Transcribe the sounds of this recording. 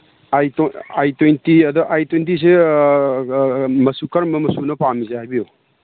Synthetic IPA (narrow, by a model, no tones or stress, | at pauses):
ajajtojntiɐd̪ɐʔajtwejntis̬e | mɐsukɐɾmːɐmɐsunɐpamizehajbijo